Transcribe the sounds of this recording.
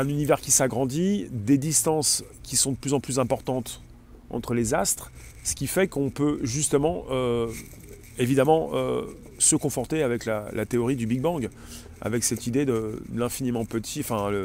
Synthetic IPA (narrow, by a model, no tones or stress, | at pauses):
ɛ̃nynivɛʁkʲisaɡʁɑ̃d̪id̪ed̪ist̪ɑ̃s | kʲisɔ̃d̪əplyzɑ̃plyzɛ̃pɔʁt̪ɑ̃t̪ | ɑ̰̃t̪χəlezast̪χ | sə̥kʲifɛkɔ̃pøʒyst̪əmɑ̃ʔø | evid̪amɑ̃ʔø̰ | səkɔ̃fɔʁt̪eavɛklalʔa̰t̪eɔʁid̪ybiɡ̚bɑ̃ɡ | a̰vɛksɛt̪id̪ed̪əlɛ̃finimɑ̃pət̪ʰiɑ̃fɛ̃ə